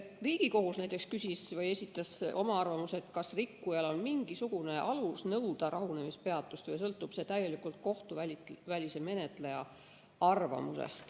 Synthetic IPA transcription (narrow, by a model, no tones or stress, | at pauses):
riːɡ̥iko̞ɦusnæjt̪ˑekskysʲisvɤje̞sʲit̪ːˑɑsʔo̞̰mɑɑrvɑmuset̪kɑsrikːujɑlo̞nmiŋɡ̥isuɡ̥une̞ʔɑlusnɤwd̪̥ɑɾʔɑɦune̞mispe̞ɑt̪ːˑust̪vɤjs̬ɤlt̪ːˑub̥se̞t̪æje̞likˑult̪̚ko̞ht̪uvælvælʲise̞me̞ne̞t̪ˑle̞jɑ̰ | ɑrvɑ̰musḛst̪